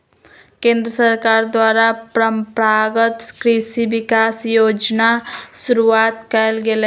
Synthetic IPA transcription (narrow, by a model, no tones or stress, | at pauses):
kẽnd̪ɾəsəɾkaɾd̪waɾapɾəmpɾaɡət̪kɾisibikasjod͡ʒnasuɾuat̪kɛlɡel